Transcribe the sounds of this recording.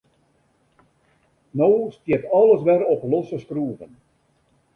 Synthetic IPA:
noːstjiətɑlˠəsʋɛrɔplɔsəskruəvən

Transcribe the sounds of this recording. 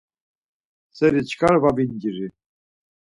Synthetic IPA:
sɛɾit͡ʃkʰaɾvabinɡiɾi

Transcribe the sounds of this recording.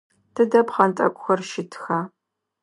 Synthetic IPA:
tʰɨdɐpχɐntʼɐ̰kʷʼʊxɐrʃɪtʰxaː

